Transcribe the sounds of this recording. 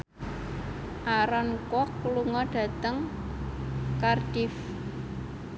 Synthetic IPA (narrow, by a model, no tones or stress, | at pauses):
ʔaɾɔnkɔkluŋɔɖ̥ä̤t̪əŋ | kard̥ɪf